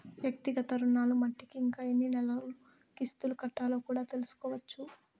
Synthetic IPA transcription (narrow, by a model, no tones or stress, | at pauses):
ʋjɐk̚t̪iɡɐt̪ɐɾunːaːlumɐʈːikiːŋkaːjinːinɛlɐlu | kist̪ulukɐʈːaːlo̞ːkuːɽaːt̪e̞lusu̥kɔːʋɐt͡ʃːu